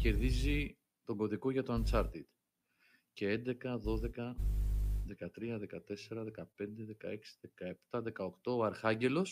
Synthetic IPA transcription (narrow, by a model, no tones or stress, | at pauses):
ce̞ɾðizi | t̪o̞ɡo̞ðiko̞ʝɐt̪oɐnt͡sɐɾt̪id̪ | ce̞e̞nd̪e̞kɐðo̞ðe̞kɐ | ðe̞kɐt̪ɾiɐðe̞kɐt̪e̞se̞ɾɐðe̞kɐpe̞nd̪e̞ðe̞kɐe̞ksi̥ðe̞kɐe̞pt̪ɐðe̞kɐokt̪o̞ɐɾxɐɲɟe̞lo̞s